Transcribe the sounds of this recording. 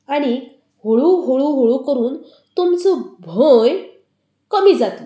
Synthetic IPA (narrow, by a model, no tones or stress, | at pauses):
aɽ̃i | hoɭuɦoɭuɦoɭukəɾuːn | t̪umt͡sɔbʱoj | kəmiːd͡zat̪l